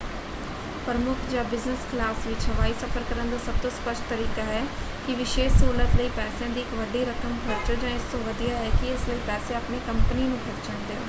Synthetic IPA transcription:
pɾəmʊkʰd͡ʒãːbɪznəskʰɪlaːsʋɪt͡ʃɦəʋaːisəfʰəɾkəɾənd̪aːsəb̚t̪õːspəʃʈt̪əɾiːkaːɦɛː | kiʋɪʃeːʃsuːlət̪ləiːpɛːsjãːd̪iːɪkʋəɖiɾəkʰəmkʰəɾt͡ʃəɾd͡ʒãːɪst̪õːʋəd̪ijaːɦɛːkiɪsləiːpɛːsẽɐpnikəmpəninũkʰəɾt͡ʃəɳd̪eː

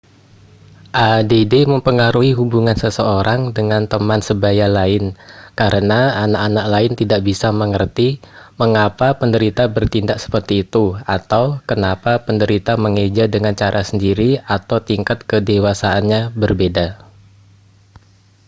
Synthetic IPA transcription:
ʔadedeməmpəŋaɾuɦiɦubuŋansəsəoɾaŋdəŋant̪əmansəbajalaɪnkaɾənaanaʔanaʔ̚laɪnt̪idaʔbisaməŋərt̪iməŋapapəndəɾit̪abərt̪indaʔsə̥pərt̪iːt̪uat̪awkənapapəndəɾit̪aməŋed͡ʒadəŋant͡ʃaɾʔasəndiɾiat̪awt̪iŋkat̪̚kədewasaːnɲabərbeda

